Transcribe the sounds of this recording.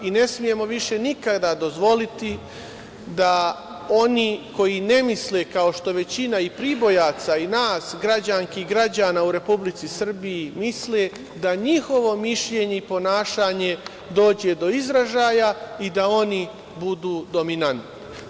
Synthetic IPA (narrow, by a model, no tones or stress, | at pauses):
ine̞smije̞mo̞ʋiʃe̞nikad̪ad̪o̞zʋo̞lit̪i | d̪a | o̞niko̞jine̞mislekao̞ʃt̪o̞ʋe̞t͡ɕinaipɾibo̞jaːt̪sainaːsɡɾad͡ʑaŋkiɡɾad͡ʑaːnauɾe̞publit̪sisr̩bijimisle | d̪aɲixo̞ʋo̞miʃʎe̞ɲe̞ipo̞naːʃaːɲe̞ | d̪o̞ːd͡ʑe̞d̪o̞izɾaʒaːjaid̪ao̞ni | bud̪uːd̪o̞minant̪ni